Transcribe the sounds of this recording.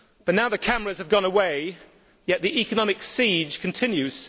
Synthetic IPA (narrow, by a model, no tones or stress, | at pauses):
b̥ʌtⁿnaʊðɨkʰaməɹɨz̥əvɡɒ̃nəweɪ | jɛʔ̪̚ðiʔikənɒmɪksid̥ʒ̥kʰə̃ntʰɪ̃njʉz̥